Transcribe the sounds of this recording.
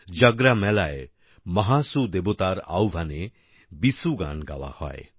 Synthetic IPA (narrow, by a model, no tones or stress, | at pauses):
d͡ʒəɡɾamɛlae | mʌɦasud̪ebot̪aɾa̰wbʱane | bisuɡa̰nɡa̰wa̰hɔ̰e